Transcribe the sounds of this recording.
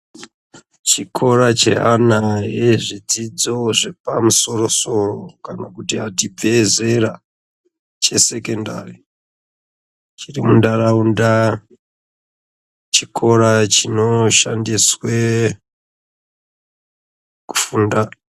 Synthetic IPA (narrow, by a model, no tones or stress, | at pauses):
t͡ʃikʰo̞ɾat͡ʃe̞̰ɦanaɦeʐid͡zid͡zo̞ʐe̞pamuso̞ro̞so̞rokanakutiatib͡ve̞ze̞ra | t͡ʃe̞se̞ke̞nda̰ri | t͡ʃirimundaraunda | t͡ʃikʰo̞ɾat͡ʃinoʃandiswe | ku̥funda